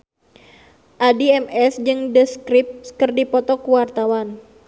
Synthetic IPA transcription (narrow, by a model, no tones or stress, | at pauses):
ʔadiɛmɛsd͡ʒɨŋdəskɾip̚skərdipɔt̪ɔkuwart̪awan